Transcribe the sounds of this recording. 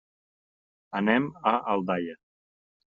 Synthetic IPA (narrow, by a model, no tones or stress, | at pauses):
ənɛməʔalˠd̪ajə